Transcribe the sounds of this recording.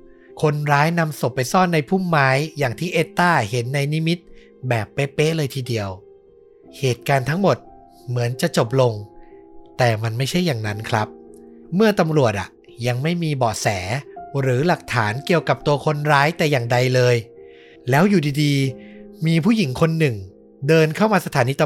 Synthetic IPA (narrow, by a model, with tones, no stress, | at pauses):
kʰo˧nɾaː˦˥jna˧mso˨˩pːa˧jsɔː˥˩nːa˧jpʰu˥˩mːaː˦˥jːaː˨˩ŋt̪ʰiː˥˩ʔeː˦˥t̪ːaː˥˩he˩˦nːa˧jni˦˥mi˦˥t̪̚ | bɛː˨˩pːeː˦˥pe˦˥ʔlɤː˧jt̪ʰiː˧di˧əw | heː˨˩t̪̚kaː˧nt̪ʰa˦˥ŋmo˨˩t̪̚ | mɯ˩˦ənt͡ɕa˨˩ʔt͡ɕo˨˩p̚lo˧ŋ | t̪ɛː˨˩ma˧nma˥˩jt͡ɕʰa˥˩jːaː˨˩ŋna˦˥nkʰɾa˦˥p̚mɯ˥˩ɐt̪a˧mɾu˨˩ət̪̚ʔa̰˨˩ | ja˧ŋma˥˩jmiː˧bɔː˨˩sɛː˩˦ɾɯː˩˦la˨˩k̚t̪ʰaː˩˦nki˨˩əwka˨˩p̚t̪u˧ɐkʰo˧nɾaː˦˥jt̪ɛː˨˩jaː˨˩ŋda˧jlɤː˧j | lɛː˦˥wjuː˨˩diː˧diː˧miː˧pʰuː˥˩ji˩˦ŋkʰo˧nːɯ˨˩ŋ | dɤː˧nkʰa˥˩wmaː˧sa˧t̪ʰaː˩˦niː˧t̪